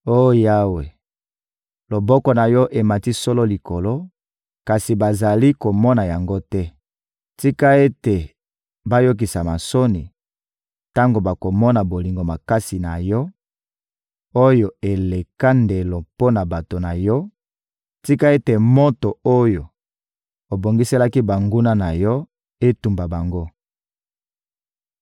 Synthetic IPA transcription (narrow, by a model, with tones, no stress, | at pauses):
o˦ja˦we˨ | lo˨bɔ˦kɔ˨na˨jɔ˦ʔe˨ma˨ti˦so˦lo˦li˨ko˨lo˦ | ka˨si˨ba˨za˨li˦ko˨mɔ˦na˨ja˨ŋɡo˦tɛ˦ | ti˦ka˦e˦te˨ | ba˦jo˦k̬i˨sa˨ma˨so˦ni˨ | ta˦ŋɡo˨ba˨ko˨mɔ˦na˨bo˨li˨ŋɡo˨ma˨ka˦si˨na˨jɔ˦ | o˦jo˨e˨le˨ka˦nde˨lo˨po˦na˨ba˨to˨na˨jɔ˦ | ti˦ka˦e˦te˨mo˦to˨o˦jo˨ | o˨bo˨ŋɡi˦se˦la˦ki˦ba˨ŋɡu˦na˦na˨jɔ˦ | e˦tu˨mba˨ba˨ŋɡo˦